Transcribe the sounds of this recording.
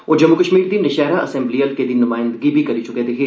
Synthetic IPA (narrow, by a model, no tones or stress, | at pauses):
od͡ʒɐmːukəʃmiːɾd̪inɪʃɛːɾaʔɐsẽmblijəlked̪inːʊmaːjɪ̃nd̪əɡibʱikɐɾit͡ʃʰʊket̪eɦeː